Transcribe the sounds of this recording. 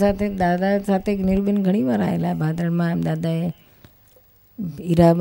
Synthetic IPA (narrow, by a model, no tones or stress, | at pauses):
saːt̪ʰed̪aːd̪asaːt̪ʰenɪɾbənɡʱɐɽ̃iʋaːɾa̰ːɦelaːebʱaːd̪ɾənmãd̪aːd̪aːe | iɾaːb